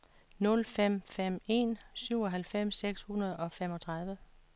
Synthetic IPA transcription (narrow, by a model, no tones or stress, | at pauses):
nɔ̽lfem̰fem̰e̝nsyʊ̰ɒ̽ɦælfem̰sːeɡ̥shunɐð̞ˠɒ̽fem̰ɒ̽t͡sʰʁɑ̈ð̞ˠʋə